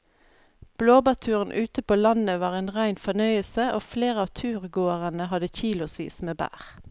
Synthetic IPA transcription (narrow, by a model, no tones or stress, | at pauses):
b̥loːbɑt̪ʰʉːʁən̩ʔʉːt̪əpoːlɑnəʋɑːʁeːnʁæɪnfɔnœʏəlsəʔoːfleːʁəɑːʋt̪ʰʉːʁɡoːəʁənəhɑd̪əçiːlʊsʋḭːsmeːbæ̰ːʁ